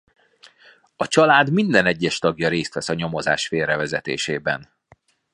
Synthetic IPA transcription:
ɒt͡ʃɒlaːd̪mind̪ɛnɛɟːɛʃt̪ɒɡjɒɾeːst̪ʋɛsɒɲo̞mo̞za̰ːʃfeːrɛvɛzɛt̪ḛːʃeːbɛ̰n

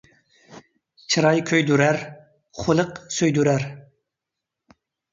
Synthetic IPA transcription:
t͡ʃʰɨɾɑjkʲʰøjd̪uɾæɾ | χʰʊlˠɨqsøjd̪uɾæɾ

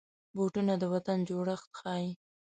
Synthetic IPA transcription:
boʈunad̪əwat̪and͡ʒoɽəxt̪xɑji

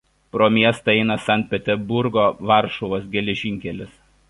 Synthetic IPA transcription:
pɾoːmʲiɛst̪ɐɛɪnɐsɐnʲt̪̚ʲpʲɛt̪ʲɛɾbʊɾɡoːʋɑˑɾʃoʋoːsɡʲɛlʲɛʒʲɪŋʲkʲɛlʲɪs

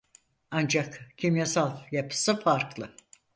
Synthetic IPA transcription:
and͡ʒakcʰimjasalˠjapʰɯ̥sɯfaɾklˠɯ

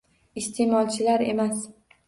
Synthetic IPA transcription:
ɪst̪ʰe̞mɒlˠt͡ʃʰɪlaɾe̞̰mas

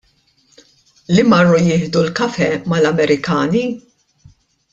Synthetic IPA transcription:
limɐrːujɪːħd̪ulkɐfɛmɐlɐmɛɾɪkɐːni

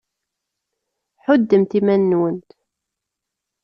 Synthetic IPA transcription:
ħʊd̪ːəmt̪imænːwənt̪

